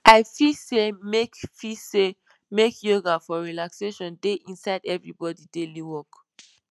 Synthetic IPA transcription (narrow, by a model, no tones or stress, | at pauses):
ʔaɪfisemekfise | mekjoɡafɔɹilakseʃɔ̃ndeʔĩnsaɪdɛvɹibɔdideliwɔk